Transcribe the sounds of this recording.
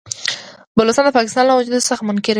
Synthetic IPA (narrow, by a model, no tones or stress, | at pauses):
bəlost̪ɑnd̪əpɑkɪ̥st̪ɑnlawad͡ʒud̪saxamʊnkɪɾ